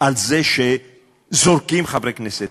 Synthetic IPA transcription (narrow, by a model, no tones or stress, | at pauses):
alzɛʃe | zoɾkimχabɾeknɛse